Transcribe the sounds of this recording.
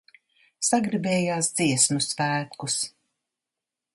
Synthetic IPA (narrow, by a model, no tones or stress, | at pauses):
saɡɾibɛːjaːsd̪z̥iɛsmusvæːt̪kus